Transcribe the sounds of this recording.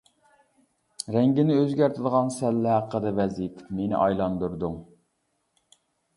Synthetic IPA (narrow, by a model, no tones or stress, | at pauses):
ɾɛŋɡʲɪnɪøzɡʲæɾt̪ʰɪd̪əʁɑnsɛlːɪɦæqːəd̪ɛvɛzijt̪ʰmenɪ̰ʔɑjlˠɑnd̪uɾd̪uŋ